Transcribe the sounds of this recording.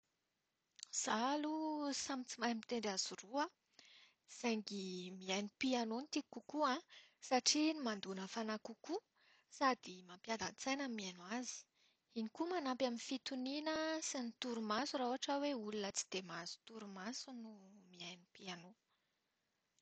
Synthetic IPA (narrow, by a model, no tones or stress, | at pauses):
z̥alusamit͡simajmit̪eɳɖ͡ʐaz̥uruə | z̥ajŋɡimiajnipianonit̪ikukuãsaʈ͡ʂinimand̪unəfanakuku | sad̪̥imampjad̪ant͡sajnəmianwazi̥ | inikumanampjaminfit̪uninəsinit̪uɾumasuɾauaʈ͡ʂəweulunət͡si̥d̪̥emazu̥t̪uɾumasunumiajnipiano